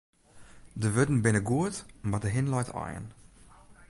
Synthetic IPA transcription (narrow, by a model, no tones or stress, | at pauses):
dəvødn̩bɪnəɡuətmadəɦɪnlɔjtʰɑ̰jə̰n